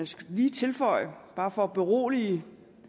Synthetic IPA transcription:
sliːt͡sʰe̝lfɒ̽ɪ̰b̥ɑ̈ːfɒ̽b̥e̝ʁo̝̰ːli

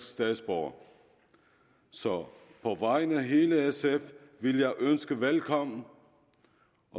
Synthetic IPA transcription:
sɡ̥sd̥ɛðˠsb̥ɒʊ̰ | sɒ̽pʰɒʋɑ̈ɪnəæɦe̝ːləesefʋeljɑ̈ɪʔønsɡ̥əʋelkʰɒ̽m̰n̩ | ʔɒ̽

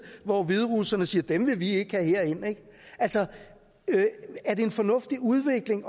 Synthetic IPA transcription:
ʋɒʋið̞ˠʁusɐnəsiːɐd̥emʋe̝ʋie̝ɡ̥əhæhe̝ɐ̰e̝n̰eɡ̥ | ʔælsɒ | øæɐd̥e̝ːnfɒ̽nɔ̽fd̥iuð̞ˠʋe̝ɡ̥le̝ŋɒ

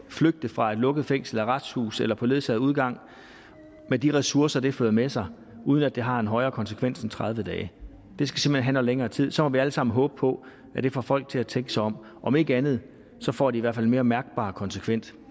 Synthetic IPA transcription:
fløɡ̥̚d̥əfʁɑ̈ed̥lɔ̽ɡ̥əð̞̩ˠfeŋ̰sl̩æʁad̥shṵːselɐpʰɒ̽le̝ðˠsɛðˠuð̞ˠɡ̥ɑ̈ŋ̰ | med̥iʁɛsuɐsɐd̥e̝føːðˠmesɑ̈ɪ | uːð̞ˠnæd̥e̝ɦɑ̈e̝nɦɒ̽ɪɐːkʰɒ̽nsə̥kʰʋen̰sent͡sʰʁɑð̞ˠʋəd̥ɛːɪ | d̥e̝sɡ̥æse̝m̥henɦænɒleŋɐːt͡sʰið̰ˠsɒ̽mɒ̽ʋiæləsɑ̈m̰n̩ɦɔ̽ːb̥əpʰɒ̽ | æd̥e̝fɒfɒ̽l̰ɡ̥̚t͡sʰe̝læt͡sʰeŋɡ̥əsɑ̈ɪɒ̽m | ʔɒ̽me̝ɡ̥əænð̞̩ˠ | sɒ̽fɒ̰ːd̥iːʋæɐ̰fælme̝ːɐmæɐɡ̥̚b̥ɑ̰̈ːkʰɒ̽nsəkʰʋen̰d̥

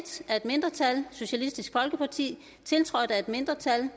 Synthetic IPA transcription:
d̥æɐe̝d̥me̝nd̥ʁɐt͡sʰælso̝ɕælisd̥isɡ̥fɒ̽lɡ̥əpʰɑ̈t͡sʰḭː | t͡sʰe̝lt͡sʰʁɒ̽d̥æe̝d̥me̝nd̥ʁɐt͡sʰæl

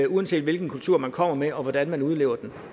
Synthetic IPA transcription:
uɛnse̝̰ːd̥ʋe̝lɡ̥n̩kʰult͡sʰuɐ̰mænkʰɒ̽m̰ɐmeɒ̽ʋɒd̥ænmænuð̞ˠle̝ːʊɐd̥en

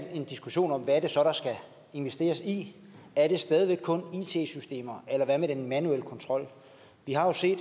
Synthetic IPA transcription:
e̝nd̥isɡ̥uɕo̝̰ːnɒ̽mʋææɐɾ̥e̝sɒ̽ɾ̥ɑ̈sɡ̥æ | e̝nʋesd̥e̝̰ːɐsi | æɐɾ̥e̝sd̥ɛːð̞ˠiʋeɡ̥̚kʰɔ̽niːt͡sʰe̝̰ːsysd̥e̝̰ːmɐelɐʋæmed̥enmænuel̰kʰɒ̽nt͡sʰʁɒ̽l̰ | ʋiɦɑ̈jo̝se̝̰ːd̥

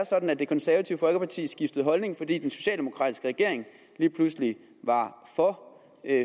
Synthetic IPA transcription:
ɐsɒ̽d̥n̩æd̥e̝kʰɒ̽nsæɐʋæt͡sʰiʊəfɒ̽lɡ̥əpʰɑ̈t͡sʰḭːsɡ̥ifd̥əð̞̩ˠɦɒ̽lne̝ŋfɒ̽d̥ḭːd̥enso̝ɕɛ̰ːld̥e̝mo̝kʰʁɑ̰ːdisɡ̥əʁɛɡ̥e̝ɐ̰e̝ŋ | liːpʰlusli | ʋɑ̈fɒ

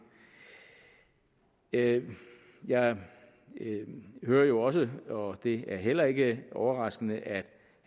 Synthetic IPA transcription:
jɑ̈ɪ | høːɐjo̝ɒ̽s̬əɒ̽d̥e̝æɐɦel̰ɐe̝ɡ̥əʔɒʊɐʁɑ̈sɡ̥ənəʔæd̥

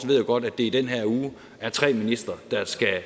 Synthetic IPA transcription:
sʋe̝ð̰joɡ̥ɒ̽d̥æd̥e̝id̥enɦæɐ̰uː | æɐt͡sʰʁɛ̰ːminisd̥ʁɐd̥ɑ̈sɡ̥æ

